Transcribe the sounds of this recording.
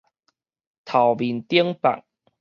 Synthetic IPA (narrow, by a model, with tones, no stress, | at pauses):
t̪ʰɐ˨˩wmiː˨˩nt̪i˥əŋpa̰˨k̚